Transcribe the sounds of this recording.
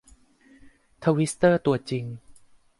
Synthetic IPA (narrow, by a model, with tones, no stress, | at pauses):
t̪ʰa˧wi˦˥st̪ɤː˥˩t̪u˨˩ɐt̪̚t͡ɕi˧ŋ